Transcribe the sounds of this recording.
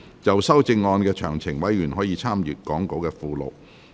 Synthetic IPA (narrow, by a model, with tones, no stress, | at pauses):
t͡sɐ˨wsɐ˥wt͡sɪ˧ŋːɔː˧nkɛː˧t͡ʃʰœː˨˩ŋt͡sʰɪ˨˩ŋwɐ˨˥jɥyː˨˩nɦɔː˨˥jiː˧t͡sʰaː˥mjyː˨tkɔː˨˥ŋko˨˥wkɛː˧fuː˨˧lo̰˨w